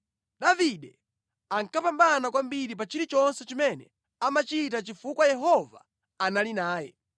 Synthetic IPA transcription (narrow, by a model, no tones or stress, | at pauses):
ɗaviɗɛ | aŋkapambanakwambiɾip̬at͡ʃiɾit͡ʃɔnsɛt͡ʃimɛnɛ | amat͡ʃit̬at͡ʃifukwajɛɦɔva̰ | analinaːjɛ̰